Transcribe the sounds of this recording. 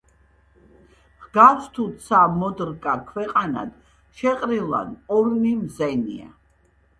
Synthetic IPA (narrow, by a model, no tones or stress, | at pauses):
ʁɡasʰt̪ʰut̪sʰamɔd̪ɾkʼakʰwɛqʼana̰d̪̥ | ʃɛqʼɾilˠa̰d̪ɔɾnimzɛnḭa̰